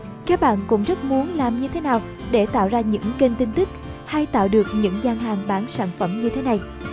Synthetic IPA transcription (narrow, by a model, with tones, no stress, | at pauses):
kaː˦˥k̚ɓa̰ː˧˨nkʊ̰˧˥ŋ͡mzə˦˥t̚mu˨˦ənlaː˨˩mɲɨ˧t̪ʰe˨˦naː˨˩w | ɗe˧˩t̪a̰ː˧˨wzaː˧ɲɨ̰˧˥ŋke˧nt̪i˧nt̪ɨ˦˥k̚ha˧jt̪a̰ː˧˨wɗɨ˨˩ək̚ɲɨ̰˧˥ŋzaː˧ŋɦaː˨˩ŋɓaː˨˦nsaː˧˩nfə˧˩mɲɨ˧t̪ʰe˨˦na˨˩j